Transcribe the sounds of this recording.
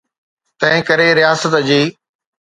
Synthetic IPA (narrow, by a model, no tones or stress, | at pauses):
t̪ɐ̃ɦɪ̃kɐɾeɾɪjaːsət̪d͡ʑiː